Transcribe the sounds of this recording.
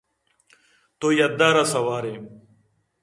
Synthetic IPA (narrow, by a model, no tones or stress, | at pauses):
t̪oːjɐd̪aːɾasɐwaːɾe